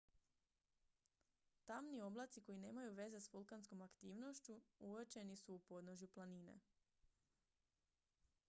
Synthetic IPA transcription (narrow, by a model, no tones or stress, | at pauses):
t̪amnio̞blat̪siko̞ine̞ːmajuʋe̞ze̞sfulˠkansko̞makt̪iːʋno̞ʃt͡ɕuuʋət͡ʃe̞nisuːpo̞d̪noʒjuplˠaninḛ